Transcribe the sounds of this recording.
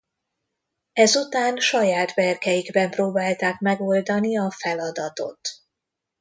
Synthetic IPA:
ɛzut̪aːnʃɒjaːt̪bɛrkɛjiɡbɛmproːbaːlt̪aːkmɛɡo̞ld̪ɒniɒfɛlɒd̪ɒt̪o̞̰t̪

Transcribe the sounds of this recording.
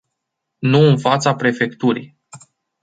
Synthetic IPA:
nuɨnfat̪sapɾe̞fe̞kt̪uɾḭj

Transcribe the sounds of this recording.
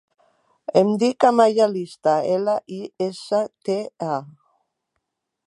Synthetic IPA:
emd̪ikamajalist̪aelaʔiesət̪ea

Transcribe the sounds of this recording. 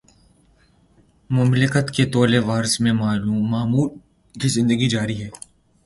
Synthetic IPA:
mʊmlɪkət̪ket̪oːleʋaːɾsmẽmaːluːmaːmuːl | kizɪ̃nd̪əɡid͡ʒaːɾiɦɛː

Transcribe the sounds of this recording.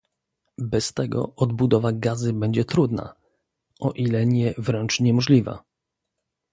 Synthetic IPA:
bɛst̪ɛɡɔ̰ɔd̪bud̪ɔvaɡazɘbɛɲd͡ʑɛt̪ɾud̪na̰ | ʔɔʔilɛɲɛvɾɛnt͡ʂɲɛmɔʐlʲiva̰

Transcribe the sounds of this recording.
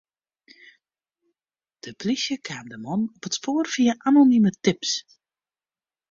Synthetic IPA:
d̥əplisjəkʰaːmdəmɔnɔpətspoːrfiəʔanonimətɪps

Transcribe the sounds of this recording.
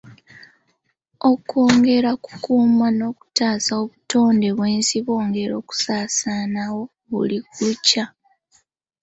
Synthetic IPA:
o̞ko̞ːŋɡe̞ɾaku̥kuːmano̞ːku̥taːsaoβuto̞ːnde̞βwe̞ːnsiβo̞ːŋɡe̞ɾo̞ːku̥saːsaːnawo̞ | βṵlikuuca

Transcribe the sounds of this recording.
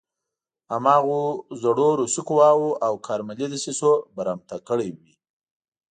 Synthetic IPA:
amɑɣozaɽoɾusukuwɑwoʔawkʰɑɾmalid̪əsisobaɾamt̪akəɽewi

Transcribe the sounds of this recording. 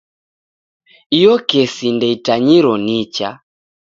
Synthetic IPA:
ijɔkɛsindɛitaɲiɾɔnit͡ʃa

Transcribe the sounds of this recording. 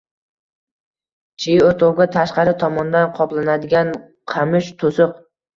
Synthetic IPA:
t͡ʃʰɪjoɾt̪ʰowɡʲat̪ʰaʃqɑɾɪt̪ʰɒmɒnd̪anqʰɒplˠanad̪ɪɡʲan | qʰamɪʃt̪ʰosʊq̚

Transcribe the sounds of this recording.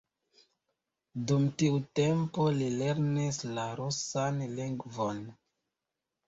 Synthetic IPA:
dumtiute̞mpo̞lile̞ɾnislaɾosanliŋɡvo̞n

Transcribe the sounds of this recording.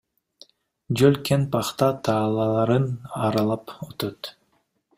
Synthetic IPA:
d͡ʒølkenpɑχt̪ɑt̪ʰɑːlˠɑlˠɑɾɯnɑɾɑlˠɑpot̪ot̪

